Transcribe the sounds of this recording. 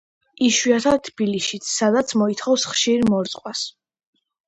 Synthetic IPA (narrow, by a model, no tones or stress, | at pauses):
iʃwiat̪ʰat̪ʰb̥iliʃit̪sʰsad̪at̪sʰmɔit̪ʰχɔfsχʃiɾmɔɾt̪sʼqʼwas